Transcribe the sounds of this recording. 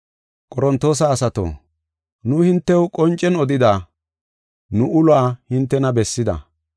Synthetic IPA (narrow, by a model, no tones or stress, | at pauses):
kʼɔɾɔnt̪ːo̞ːs̬aːsɐt̪o̰ː | nʊhɪnt̪ːɛwkʼɔnt͡ʃʼːɛnɔd̪ɪd̪aː | nʊʔʊlwaːhɪnt̪ːɛnɐbɛsːɪd̪ɐ̰